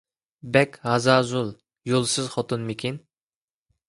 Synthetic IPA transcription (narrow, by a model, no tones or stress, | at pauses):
bɛkʲhɑzɑːzulˠ | jolˠsɨzχɔt̪unmekʲin